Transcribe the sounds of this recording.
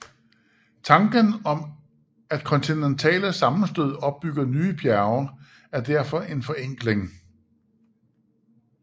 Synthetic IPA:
t͡sʰɑ̈ŋɡ̥ənɒ̽m | æd̥kʰɒ̽nt͡sʰinent͡sʰɛ̰ːləsɑ̈mn̩sd̥øð̞̰ˠɒ̽b̥̚b̥ːyɡ̥ɐnyːb̥ʰjæɐʊɐ | æɐd̥æɐ̰fɒ̽ʔe̝nfɒ̽eŋ̰ɡ̥le̝ŋ

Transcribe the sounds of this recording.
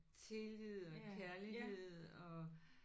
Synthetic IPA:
t͡sʰe̝lið̰ˠɒ̽kʰæɐliɦe̝ð̰ˠɒ̽

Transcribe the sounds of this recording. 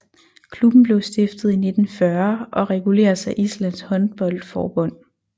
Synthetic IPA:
kʰlub̥n̩b̥le̝ʊsd̥e̝fd̥ð̞̩ˠine̝d̥n̩fɶɐʔɒ̽ʁɛɡ̥ule̝̰ːɐsæʔislæn̰shɒ̽nb̥ɒ̽l̰d̥fɒ̰ːb̥ɔ̽n̰

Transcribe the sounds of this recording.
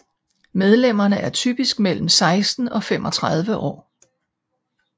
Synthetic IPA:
með̞ˠlem̰ɐnəʔæɐt͡sʰy̰ːb̥isɡ̥̚mel̰m̩sɑ̈ɪsd̥n̩ɒ̽femʔɒ̽t͡sʰʁɑð̞ˠʋəʔɒ̰ː

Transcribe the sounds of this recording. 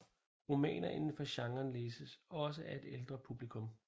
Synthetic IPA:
ʁomɛ̰ːnɐʔenn̩fɒ̽ɕɑ̈ŋɐːnleːsəsɒ̽s̬əʔæɐe̝d̥eld̥ʁɐpʰub̥likʰɔ̽m

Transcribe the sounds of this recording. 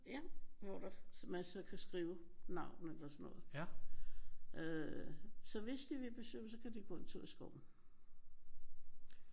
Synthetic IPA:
jæʋɒd̥ɑsmæsɒkʰæsɡ̥ʁiːʊ | nɑ̈ʊ̰nelɐsɒnːɔ̽ːð̩ˠ | ʔø | sɒ̽ʋe̝sd̥iʋe̝b̥e̝sø̥əsɒ̽kʰæd̥ikʰɔ̽nt͡sʰo̰ːsɡ̥ɒʊ̰n̩

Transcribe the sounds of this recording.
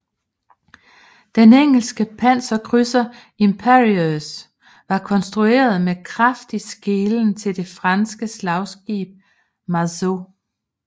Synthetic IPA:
d̥eneŋ̰l̩sɡ̥əpʰæn̰sɒkʰʁysɐ | impʰeʁios | ʋɑ̈kʰɒ̽nsd̥ʁue̝̰ːɐð̞ˠmekʰʁɑfd̥isɡ̥e̝ːln̩t͡sʰe̝ld̥e̝fʁɑnsɡ̥əslɑ̈ʊsɡ̥ḭːb̥̚ | mɑso̝

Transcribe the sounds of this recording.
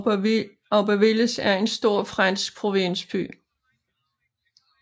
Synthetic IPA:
ɒʊb̥æʋeləsæɐe̝nsd̥o̝ɐ̰fʁɑnsɡ̥̚pʰʁo̝ʋe̝nsb̥y̰ː

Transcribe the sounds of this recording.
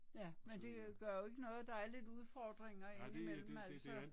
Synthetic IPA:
jæmend̥e̝ɡ̥ɶɐjo̝e̝ɡ̥ənɔ̽ːð̩ˠd̥ɑ̈æɐle̝d̥uð̞ˠfɒd̥ʁeŋɐe̝nimel̰m̩æl̰sɒ

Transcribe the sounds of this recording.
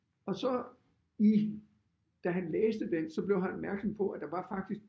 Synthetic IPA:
ɒ̽sɒ̽ | i | d̥æɦænleːsd̥əd̥ensɒ̽b̥le̝ʊɦænɒb̥mæɐɡ̥sɒ̽mpʰɒ̽ʔæd̥ɑ̈ʋɑ̈fɑ̈ɡ̥d̥isɡ̥

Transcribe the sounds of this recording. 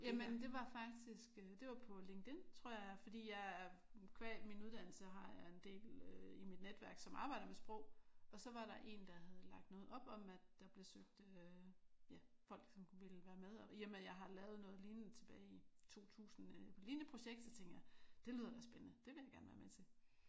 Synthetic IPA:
jæmənd̥e̝ʋɑ̈fɑ̈ɡ̥̚d̥isɡ̥ød̥e̝ʋɑ̈pʰɒ̽le̝ŋɡ̥d̥e̝nt͡sʰʁɔ̝ɐ̰jɑfɒd̥ḭːjɑ̈ɪkʰʋɛ̰minuð̞ˠd̥æn̰l̩səɦɑ̈jɑ̈e̝nd̥e̝̰ːløimid̥ned̥ʋæɐɡ̥sɒ̽mʔɑ̈ːb̥ɑ̈ɪ̰d̥ɐmesb̥ʁɔ̽ʊ̰ɒ̽sɒ̽ʋɑ̈ɾɑ̈ʔe̝̰nd̥ɑ̈ɦæðˠlɑ̈ɡ̥̚d̥nɔ̽ːð̩ˠɒ̽b̥ɒ̽mæd̥d̥ɑ̈b̥le̝søɡ̥̚d̥ø | jæfɒ̽l̰ɡ̥sɒ̽mʋelʋæːɐmeðˠɒiɐmejɑ̈ɪɦɑ̈lɛːʊð̞̩ˠnɔ̽ːð̩ˠliːn̩t͡sʰe̝b̥ɛːɪit͡sʰo̝̰ːt͡sʰṵːsn̩pʰliːnəpʰʁo̝ɕeɡ̥d̥sɒ̽t͡sʰeŋ̰ɡ̥jad̥e̝liːðˠɐd̥ɑsb̥enənəd̥eʋe̝ljɑɪɡ̥æɐnʋæɐmet͡sʰe̝

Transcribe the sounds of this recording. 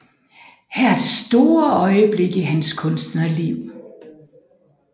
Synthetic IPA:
hæɐɐd̥e̝sd̥o̝ːɐɒ̽ɪəb̥le̝ɡ̥əɦænskʰɔ̽nsd̥nɐliʊ̰

